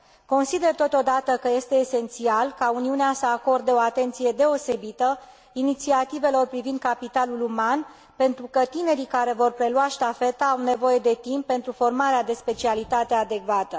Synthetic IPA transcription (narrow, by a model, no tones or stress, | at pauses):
ko̞nsid̪e̞rt̪o̞t̪o̞d̪at̪əkəje̞st̪e̞ːse̞nt̪sialkauniuneasəako̞rd̪əo̞at̪e̞nt̪sije̞d̪e̞o̞se̞bit̪ə | init̪siat̪ive̞lo̞rpɾivind̪̚kapit̪aluluman | pe̞nt̪ɾukət̪ine̞ɾikaɾe̞vo̞rpɾe̞luaʃt̪afe̞t̪aawne̞vo̞je̞d̪e̞t̪impːe̞nt̪ɾufo̞rmaɾead̪e̞spe̞t͡ʃialit̪at̪e̞ad̪e̞kvat̪ə